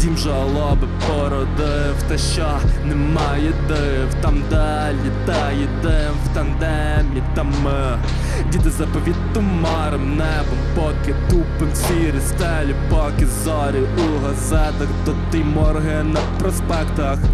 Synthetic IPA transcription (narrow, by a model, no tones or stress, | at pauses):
dʲimʒɛɐlˠɔbɪpɔɾɔd̪ɐ | wt̪ɛʃt͡ʃɔnɛmɑjɛd̪ɪ | wt̪ɐmd̪ɛ | lʲɪd̪ajɪd̪ɛ | wt̪ɐnd̪ɛ | mʲit̪am | dʲit̪ɪzɐpɔʋʲit̪ʊmɑɾɪmnɛbɐmpɔkɪt̪upɪmsʲiɾʲɪst̪ɛlʲɪpɔkɪzɔɾʲiuɦɐzɛt̪ɐkt̪ɔt̪ɪjmɔɾɦɛnɐpɾɔspɛkt̪ɐx